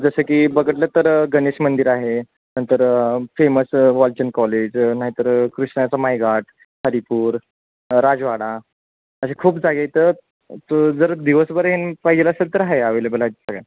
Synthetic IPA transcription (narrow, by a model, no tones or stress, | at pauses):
d͡zəsəkiːbəɡəʈ̬lət̪əɾɡəneɕmənd̪iɾaɦe | nənt̪əɾfeməsʋɔlt͡ɕənkɔled͡ʑnaɦit̪əɾkɾiʂɳat͡samajɡʱaʈ̚ʰ | həɾipuːɾ | ɾad͡zʋaɽa | əsekʰuːpd͡zaɡet̪əɾ | d͡zəɾd̪iʋəsbəɾɦenpaɦid͡ʑelasəd̪ʱəɾɦaeaʋeləbəlat̪səɡɭa